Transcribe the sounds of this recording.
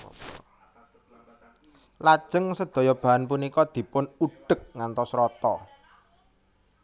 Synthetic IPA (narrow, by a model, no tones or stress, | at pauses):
lad̥ʒ̥ə̤ŋsəd̪̥o̤jɔb̥a̤anpunikɔd̪̥i̤pʊnuɖ̥ə̤k̚ŋant̪ɔsɾɔt̪ɔ